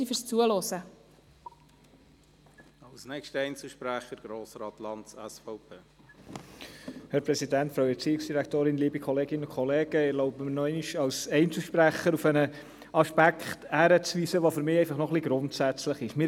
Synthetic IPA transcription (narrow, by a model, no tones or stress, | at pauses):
ifʏɾst͡suəlɔsə | ɑlsnɛkʃtəɛjnt͡sl̩ʃpɾæχəɾɡ̥ɾoːsɾɑːtlɑntsɛsfɑʊpʰeː | hæɾpɾɛsidæntfɾaʊɛt͡siːɪksd̥iɾæktoːɾɪnliːbikʰɔleːɡɪnənʊnkʰɔleːɡ̥əɪɾloʊbəmənɔɛɪniʃɑlsɛɪnt͡səl̩ʃpɾæχəɾufɛnə | ɑʃpækχthæɾət͡sʋiːsəʋofʏɾmɪːɛɪfɑχnɔχliɡɾʊntsæt͡sləχɪʃmɪː